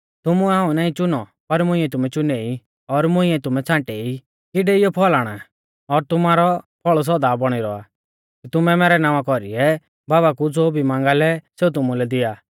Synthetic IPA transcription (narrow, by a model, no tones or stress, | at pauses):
t̪ʊmuɛɦãːũnaːĩt͡ʃʊnɔpɐɾmʊ̃ĩɛt̪̬ʊmɛt͡ʃʊnɛi | ɔɾmʊ̃ĩɛt̪ʊmɛt͡sʰãːʈɛi | kɪɖɛɪjɔpʰɔlaːɽ̃a̰ | ɔɾt̪ʊmaːɾɔpʰɔɭɔs̬ɔd̪aːbɔɽ̃iɾɔa̰ | kit̪ʊmɛmɛːɾɛnãːʋãkɔɾḭɛ | baːbakud͡zoːbʱimãːŋɡalɛseːut̪̬ʊmulɛd̪ɪjaː